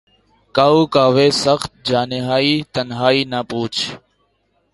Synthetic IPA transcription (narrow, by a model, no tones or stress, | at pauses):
kaːuːkaːʋeːsəxt̪̚d͡ʒaːneɦaːiːt̪ənɦaːiːnaːpuːt͡ʃʰ